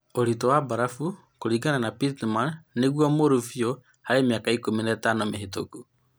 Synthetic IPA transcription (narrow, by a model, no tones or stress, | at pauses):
oɾitɔwabaɾafu | koɾiːɡananapitɛmanːeɣwamoɾufiɔ | haɾemiakaikominatanomeɦetoku